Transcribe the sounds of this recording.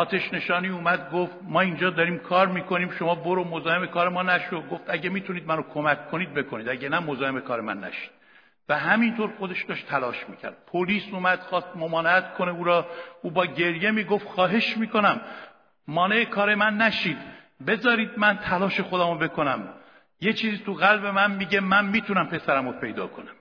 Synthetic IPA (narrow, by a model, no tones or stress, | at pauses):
ɒːt̪ʰeʃne̞ʃɒːniːuːmæd̪̚ɡoft̪mɒːind͡ʒɒːd̪ɒɾiːmkʰɒːɾmiːkʰoniːmʃo̞mɒːboɾomozɒːhe̞mekʰɒːɾemɒːnæʃod̪ɡo̞ft̪æɟemiːt̪ʰuniːd̪̚mænokʰomæcʰːoniːd̪̚be̞kʰo̞niːd̪æɟenæmozɒːhe̞mekʰɒːɾe̞mæ̰nːæ̰ʃi̥ːd̪̥ | væɦæmint̪ʰoɾxo̞d̪e̞ʃd̪ɒʃt̪ʰælɒːʃmiːcʰæ̰ɾd̪̥̚pʰoliːsuːmæd̪̥xɒːst̪̚momɒːneæt̪kʰone̞uːɾɒːuːbɒːɟe̞ɾje̞miːɡo̞ft̪xɒːɦe̞ʃmiːko̞næmː | ɒːne̞ekʰɒːɾe̞mænːæʃiːd̪ | be̞zɒːɾiːd̪̚mænt̪ʰælɒːʃe̞xod̪æːmobe̞kʰonæm | je̞t͡ʃʰiːziːt̪ʰuɣælbe̞mænmiːɟe̞mænmiːt̪ʰunæmpʰe̞sæɾæmopʰe̞jd̪ɒ̰ːkʰonæm